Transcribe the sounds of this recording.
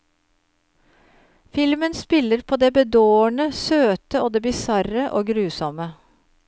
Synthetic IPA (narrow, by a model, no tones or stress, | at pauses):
fɪlmənspɪləɾpʰoːd̪eːbəd̪oːəɳəsøːt̪əoːd̪eːbɪsɑɾəʔoːɡɾʉːsɔmə